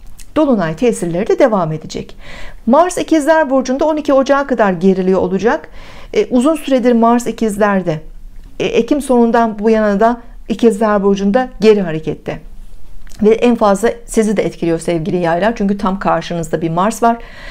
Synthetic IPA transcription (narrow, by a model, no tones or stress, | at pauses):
d̪̥o̞lˠunajt̪ʰeːsiɾlʲe̞ɾid̪ɛd̪e̞vaːme̞d̪id͡ʒɛ̰cmaɾsicizlʲæɾbo̞ɾd͡ʒund̪ao̞nicʰio̞d͡ʒaːkad̪aɾɟe̞ɾilʲijoo̰lˠud͡ʒakː | ʔuzunsyɾe̞d̪iɾmaɾsicʰizlʲæɾd̪ɛ | ʔecʰimso̞nund̪anbujanad̪a | icʰizlʲæɾbo̞d͡ʒund̪aɟe̞ɾiɦaɾecʰɛt̪ʰːɛ | vɛʔænfazlˠasizid̪ɛɛt̪cʰilʲijo̞ɾsɛvɟilʲijajlˠaɾt͡ʃʰyɲcyt̪ʰamkʰaɾʃɯnɯzd̪abiɾmaɾsvaɾ̥